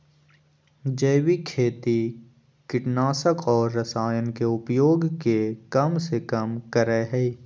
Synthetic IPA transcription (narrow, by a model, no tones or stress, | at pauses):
d͡ʒəjwikʰeːt̪i | kɪʈnaːsəkɔːɾːəsaːjənkeʊpjoːɡkekɐmsekəmkəɾɛɦɛi